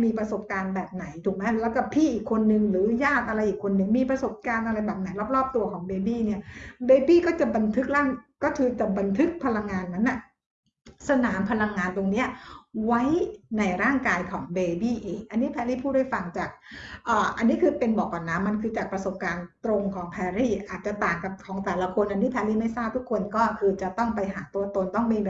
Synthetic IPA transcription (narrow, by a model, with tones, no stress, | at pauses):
miː˧pɾa˧so˨˩p̚kaː˧nbɛː˨˩p̚na˩˦jt̪ʰuː˨˩k̚mɛ˦˥lɛː˦˥wkɔ˥˩pʰiː˥˩ʔiː˨˩kʰːo˧nːɯ˨˧ŋɾɯː˩˦jaː˥˩t̪̚ʔa˧ɾa˧jʔiː˨˩kʰːo˧nːɯ˨˩ŋmiː˧pɾa˧so˨˩p̚kaː˧nʔa˧ɾa˧jbɛː˨˩p̚na˨˩˦jlɔː˥˩p̚ɾɔː˥˩p̚t̪u˧ɐkʰɔː˩˦ŋbeː˧biː˥˩ni˥˩ɐbeː˧biː˥˩kɔː˥˩t͡ɕa˨˩ba˧nt̪ʰɯ˦˥k̚laː˥˩ŋkɔː˥˩kʰɯː˧t͡ɕa˨˩ba˧nt̪ʰɯ˦˥k̚pʰa˧la˧ŋːaː˧nma˦˥nːa˨˩ | sa˧naː˩˦mpʰa˧la˧ŋːaː˧nt̪o˧ŋni˦˥ɐwa˦˥jna˧jɾaː˥˩ŋkaː˧jkʰɔː˩˦ŋbeː˧biː˥˩ʔeː˧ŋʔa˧nːi˦˥pʰɛː˧liː˥˩pʰu˥˩t̚da˥˩fa˧ŋt͡ɕaː˨˩k̚ʔɤː˨˩ʔa˧nːiː˦˥kʰɯː˧pe˧nbɔː˨˩k̚ːwa˨˩nːa˦˥mːa˧nkʰɯː˧t͡ɕaː˨˩k̚pɾa˧so˨˩p̚kaː˧nt̪ɾo˧ŋkʰɔː˩˦ŋpʰɛː˧ɾiː˥˩ʔaː˨˩t̪̚t͡ɕa˨˩t̪aː˨˩ŋka˨˩p̚kʰɔː˩˦ŋt̪ɛː˨˩la˦˧˥kʰo˧nʔa˧nːiː˦˥˩pʰɛː˧liː˥˩ma˥˩jsaː˥˩p̚t̪u˦˥kʰːo˧nkɔː˥˩kʰɯː˧t͡ɕa˨˩t̪ɔ˥˩ŋpa˧jɦaː˩˦t̪u˧ɐt̪o˧nt̪ɔ˥˩ŋbe˧˨